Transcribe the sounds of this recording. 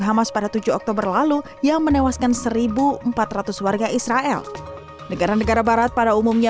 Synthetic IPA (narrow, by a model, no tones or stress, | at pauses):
ɦamaspadat̪ud͡ʒuɔk̚t̪obərlalu | jaŋmənewaskansəɾibuəmpat̪rat̪uswarɡaʔisɾaʔɛ̰l | nəɡaɾanəɡaɾabaɾat̪̚padaumumɲa